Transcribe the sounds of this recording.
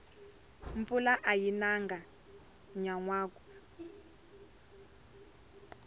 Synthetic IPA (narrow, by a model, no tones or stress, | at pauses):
ɱfulaʔajinaŋɡa | ɲaŋwaːku̥